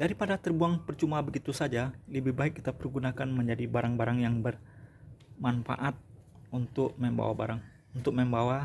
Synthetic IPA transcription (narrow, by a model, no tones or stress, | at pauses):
daɾipadat̪ərbuaŋpərt͡ʃumabəɡit̪usad͡ʒaləbɪhbaɪkːit̪apərɡunakanməɲd͡ʒadibaɾaŋbaɾaŋjaŋbər | manfa̰ʔat̪̚ | unt̪ʊk̚məmba̰wa̰ba̰ɾaŋ | unt̪ʊk̚məmbawa